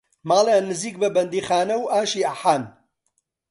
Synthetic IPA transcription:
maːlˠaːnɨziːk̚bɐbɐnd̪iːxaːnɐwʔaːʃiːaħaːn

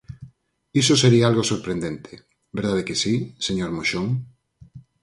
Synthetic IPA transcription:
isoseɾiaalɣosoɾpɾend̪ent̪ʰe | beɾðaðekesiseɲoɾmoʃoŋ

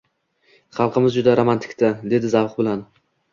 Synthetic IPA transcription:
χɑlˠqɨmɪzd͡ʒʊd̪aɾomant̪ʰɪ̥kʲt̪ʰad̪e̞d̪ɪzavqbɪlan

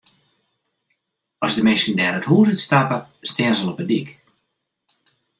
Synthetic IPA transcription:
ɔzdəmɪsəndɛːɾəthuːzətstapəstɛənzəlɔpədik

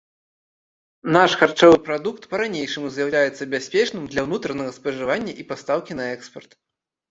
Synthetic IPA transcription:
naʂxart͡ʂɔvɨpɾad̪ukt̪pɐɾanʲejʂɨmuzʲjɐwlʲajɛt̪sːɐbʲasʲpʲɛt͡ʂnɨmd̪lʲɐwnut̪ɾɐnɐɣɐspɐʐɨvanʲːɐʔipast̪awkʲin̪ɐɛkspɐrt̪

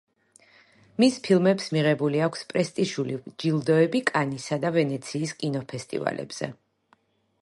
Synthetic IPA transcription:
mispʰilˠmɛpsmiʁɛbuliakʰspʼɾɛst̪ʼiʃulid͡ʒilˠd̪ɔɛbikʼanisad̪avɛnɛt̪sʰiːskʼinɔpʰɛst̪ʼḭva̰lɛ̰b̥z̥ɛ̰

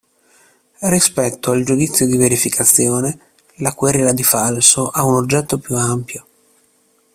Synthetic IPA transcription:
rispɛt̪ːoald͡ʒud̪it̪sːjod̪iveɾifikʰat̪sːjoːne | lakwerilad̪ifalsoʔaunod͡ʒːɛt̪ːopjuampjo

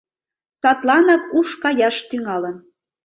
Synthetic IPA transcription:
sɑt̪lɑnɑkuʃkɑjɑʃt̪yŋɑlən

